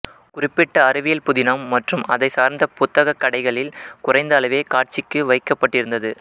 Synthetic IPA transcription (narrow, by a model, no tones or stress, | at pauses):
kʊrɪpːɪʈːɐːɾɯʋɪjɐlpʊðɪnaːmːɐʈrɯmɐðɐɪsaːɾnd̪ɐpʊt̪ːɐɣɐkːɐɽɐɪɣɐɭɪlkʊrɐɪnd̪ɐːlɐʋeːkaːʈ̚t͡ʃɪkːɯʋɐɪkːɐpːɐʈːɪɾɯnd̪ɐðɯ